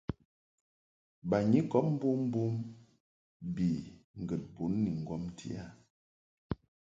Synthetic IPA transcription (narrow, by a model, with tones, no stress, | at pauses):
ba˨ɲi˦kɔ˨˦p̚m̩˦bu˦m˦bu˦m | bi˨ŋ˨ɡə˨t̚pu˨˦nːi˨ŋ˨ɡwɔ˦mtʰḭ˦a˦˨